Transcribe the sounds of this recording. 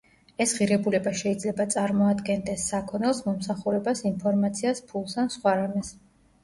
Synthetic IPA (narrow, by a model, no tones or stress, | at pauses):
ɛsʁiɾɛbulɛbaʃɛid̪zlɛbat̪sʼaɾmɔad̪ɡɛnd̪ɛsːakʰɔnɛlˠsmɔmsaχuɾɛbasinpʰɔɾmat̪sʰiaspʰulˠsansχwaɾamɛs